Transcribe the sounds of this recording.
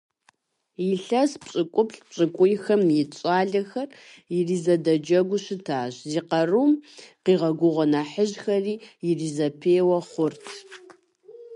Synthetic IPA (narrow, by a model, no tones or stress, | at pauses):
jiɬɐspɕʼɪkʷʼʊpɬɕʼɨkʷʼʊjxɐmjɪt͡ʃʼaːɮɐxɐr | iriːzɐdɐd͡ʒɐɡʷʊʃɪtʰaːɕziːqɐrumqiːʁɐɡʷʊʁʷɔnaħəʑxɐriːjɪriːzɐpʰeːwɐχʷʊrtʰ